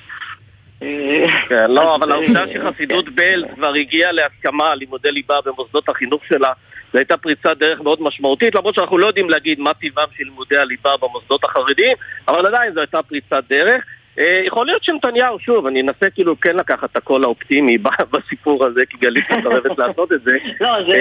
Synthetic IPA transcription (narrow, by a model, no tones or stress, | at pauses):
kenlo̞avalaud̪aʃeχasidut̪beltkvaʁiɡialeaskamalimud̪elibabemosd̪o̞t̪aχinuχʃe̞lazoajt̪apʁit͡sad̪e̞ʁeχmeo̞d̪maʃmaut̪it̪lamʁot̪ʃanaχnulojo̞d̪imleaɡid̪mat̪ivamʃelimud̪ealibabemosd̪o̞t̪aχaʁid̪imavaladainzoajt̪apʁit͡sad̪e̞ʁe̞χ | ʔejeχolijo̞t̪ʃemtanjauʃuvanienasekiːlukenlakaχat̪hako̞laopt̪imibabasipuʁaze̞kiɡalit̪meχaʁevetlaːso̞t̪e̞t̪ze̞o